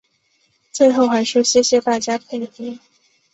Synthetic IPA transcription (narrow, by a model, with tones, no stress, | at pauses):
t͡swe˥˧ɪxo˥˩ʊxa˧˥ɪʂɔ˥ɕjɛ˥ɕjɛ˥t̪a˥˩t͡ɕja˥pʰe˥˩ɪt̪i˥